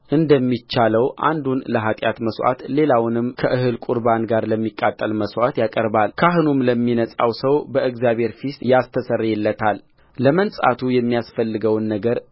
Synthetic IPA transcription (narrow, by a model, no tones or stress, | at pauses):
ʔɨnd̪əmːit͡ʃːaləwʔa̰nd̪unləɦat̪ʼja̰t̪məsʔa̰t̪le̞lawnɨmkʰəʔɨɦɨlkʷʼuɾbanɡaɾləmːikʼːat̪ʼːəlməswat̪jakʼəɾbalkʰaɦɨnumləmːinəsʼawsəwbəʔɨɡzjabhe̞ɾfisjast̪ʰəsərːjɛlːət̪ʰalː | əmənsʼa̰t̪ʰujɛmːijasfəlːɨɡəwnːəɡəɾ